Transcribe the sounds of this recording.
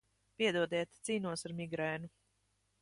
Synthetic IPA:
piɛd̪uɔd̪iɛt̪t̪siːnuɔsaɾmiɡɾɛːnu

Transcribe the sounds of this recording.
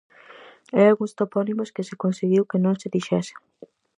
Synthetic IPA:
ealɣũŋst̪opɔnimoskɪsekonseɣiwkenõŋseðiʃɛse̥ŋ

